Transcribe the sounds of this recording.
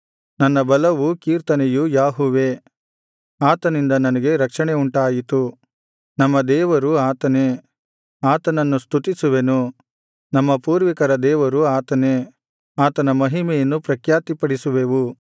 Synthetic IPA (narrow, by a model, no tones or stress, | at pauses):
nɐnːɐbɐlɐʋukiːɾt̪ɐnejujaːɦuːʋe | aːt̪ɐnind̪ɐnɐnɐɡe̞ɾɐkʂɐɳeuɳʈaːjit̪u | nɐmːɐd̪ɛːʋɐɾuaːt̪ɐneː | aːt̪ɐnɐnːust̪ʰut̪isuʋenu | nɐmːɐpuːɾʋikɐɾɐd̪ɛːʋɐɾuaːt̪ɐneː | aːt̪ɐnɐmɐɦimɛjɐnːupɾɐkjaːt̪ipɐɽisuʋeʋu